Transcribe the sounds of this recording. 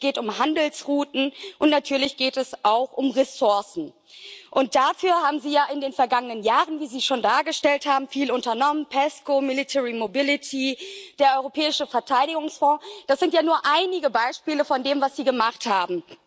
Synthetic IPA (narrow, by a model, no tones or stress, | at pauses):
ɡ̥eːtʊmhandl̩sʁuːtn̩ʔʊntnatʰyːɐlɪçɡ̥eːtɛsʔaʊxʔʊmʁesʊɐsn̩ | ʔʊnt̚d̥afyːɐhaːbm̩ziːjaːʔɪndeːnfɛɐɡaŋənənjaːʁənviːziːʃoːndaːɐɡəʃtɛlthaːbm̩fiːlʊntɐnɔmənpʰɛskomɪlitʰɛʁimobɪlɪtʰid̥eːɐʔɔʏʁopʰɛːɪʃəfɛɐtʰaɪɾɪɡʊŋsfɔ̃ːd̥asz̥ɪntjaːnuːɐʔaɪnɪɡəbaɪʃpiːləfɔndeːmvasz̥iːɡəmaχthaːbm̩